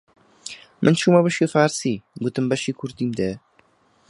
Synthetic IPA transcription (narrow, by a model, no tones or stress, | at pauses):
mʔɨnt͡ʃʰuːmɐβɨʃifaːɾsiːɡut̪ɨmbɐʃiːkʰʊɾd̪iːmd̪ɛ